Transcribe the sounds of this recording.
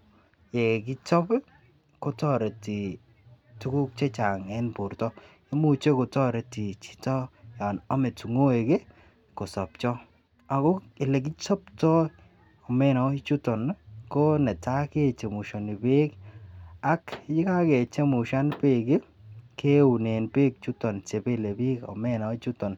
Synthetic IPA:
je˨kɪ˦t͡ʃɔ˦p | ko˦tɔ˦ɾe˨ti˨ | tu˦ku˦k̚t͡ʃe˦t͡ʃa˨ŋɛ˦npu˨ɾtɔ˦ | i˦mu˦t͡ʃe˦ko˨tɔ˦ɾe˨ti˨t͡ʃi̥˦tɔ˦ja˨nɔ˦me˨tu˨ŋo˦e˨ɡe˦ | ko˨sɔ˨pt͡ʃɔ˦ | a˨ko˦ | ɪ˨le˨k̬i˦t͡ʃɔ˦ptɔ˦ | ɔ˨me˦nɔ˨˦i˦t͡ʃu˦tɔ˨nko˦nɛ˨ta˦ke˦˨t͡ʃe˨mu˨ʃo˨ni˨be˦k | a˦kd͡ʒɪ˦ka˦ke˨t͡ʃe˦mu˨ʃa˦npe˦ɡe˦ | ke˦u˨ne˨npe˦k̚t͡ʃu˦tɔ˨nt͡ʃe˨pe˦˨le˨bi˦kɔ̰˨me˦nɔ˨˦t͡ʃu˦tɔ˨n

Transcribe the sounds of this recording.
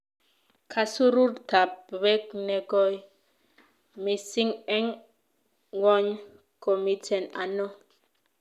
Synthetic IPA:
kʰa˨su˦ɾu˦ɾta˨p̚βɛ˦knɛ˨ɡɔ˦j | mi˨si˦ŋɛ˦ŋ | wɔ˦ɲ | kɔ˨mi˦tʰɛ˨na̰˨nɔ˦

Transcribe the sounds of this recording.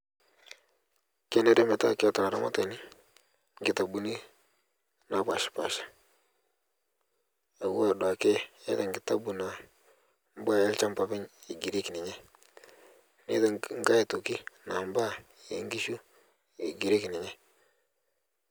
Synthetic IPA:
ke˦ne˦ɾe˦me˨ta̰˦ka˨ta˨a˨ɾa̰˦ma̰˦te˨ni˦ | ŋɡɪ˨ta˨bu˨ni˦ | na˨pa˨ʃpa̰˨ʃḁ˦ | e˨wu˦a˨da˨ke˦e˦ta˨ŋɡɪ˨ta˦bu˨na˨ | m˦bwa˦e˦lt͡ʃa˦mpa˨bɪ˦ɲɪ˨ɡi˨ɾi˦knɪ˨ɲe˦ | nḛ˦ta˨ŋ˦ɡa˦e˨tu˨ki˦na˨mba˦ | e˨˦ŋɡi˦ʃu˦ | ɪ˨ɡi˨ɾe˦knɪ˨ɲe˦

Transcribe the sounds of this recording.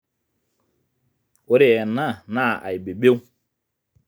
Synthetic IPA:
o˦ɾe˦˨ɛ˨na˦˨na˦˨a̰˨i˨be˨ɓe˦w

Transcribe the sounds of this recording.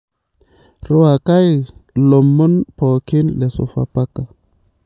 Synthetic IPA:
ɾo˦wa˨ka˦jlo˨mːo˦npo˨ki˦nle˨so̰˨fa̰˨pa˦ka˨

